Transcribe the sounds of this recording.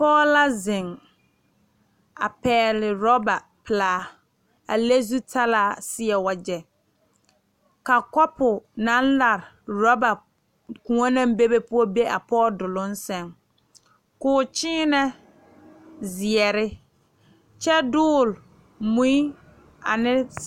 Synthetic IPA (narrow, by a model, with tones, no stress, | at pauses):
pɔː˦la˦zɪ˨ŋ | a̰˨pɛː˨˦lɪ˨ɾɔ˦ba˨ | pɪ˨laː˨˦ | a̰˨le˦zu˦tʰa˦laː˨˦˨sɪ˦ɛ˨wa˨d͡ʒɛ˨ | ka˨kɔ˦pʊ˨na˦nla˨ɾɪ˨ | ɾɔ˦ba˨ | kũ˨ɔ˦nã˦m˦be˦be˦pʊ˦ɔ˦be˦ʔa˨pɔː˦dʊ˨lʊ˦n˦sɛ˨ŋ | kʊː˨t͡ʃɪː˦nɛ˦ | zɪ˨ɛ˨ɾɪ˦ | t͡ʃɛ˦dʊː˦˨l | mũ˦i˦ | a̰˨nɪ˦